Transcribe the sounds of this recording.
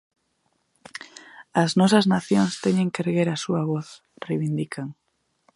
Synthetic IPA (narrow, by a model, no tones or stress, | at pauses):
ɐznɔs̬ɐznaθjoŋst̪eɲẽŋkeɾɣeɾasuaβoθ | rejβind̪ikʰaŋ